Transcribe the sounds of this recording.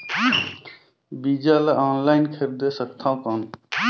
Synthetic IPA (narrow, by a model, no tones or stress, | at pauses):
bid͡ʒaleaːnlaɪnkʰeɾd̪esəkt̪ʰãw̃kɔn